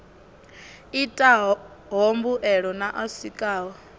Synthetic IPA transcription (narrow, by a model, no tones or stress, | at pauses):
itʼa | ɦombuʔɛɺɔnaʔasikʼaːwɔ